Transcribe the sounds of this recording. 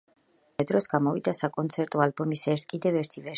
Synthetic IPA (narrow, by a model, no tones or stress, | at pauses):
ɛd̪ɾɔsɡamɔvid̪asakʼɔnt̪sʰɛɾt̪ʼɔalbɔmisɛɾt̪ʰkʼid̪ɛvɛɾt̪ʰivɛ